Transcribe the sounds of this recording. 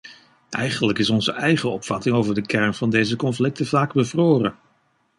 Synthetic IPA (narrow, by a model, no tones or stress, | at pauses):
ʔɛjχənləkɪsɔnzəʔɛjχəɔpfɑtɪŋowvəɹdəkɛɹnv̥ɑndejzəkɔnflɪk̚təvaːɡbəvroːrən